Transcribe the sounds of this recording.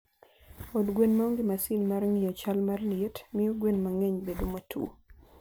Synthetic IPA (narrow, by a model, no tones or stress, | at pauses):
ɔdɡwenmaɔŋɡɪmasinmarŋɪjɔt͡ʃalmarlɪetmɪjoɡwenmaŋɛɲbedomatʰṵ